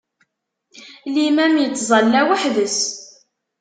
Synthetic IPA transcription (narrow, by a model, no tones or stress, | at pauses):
limæmjət͡sːzˤɑlːæwəħðəs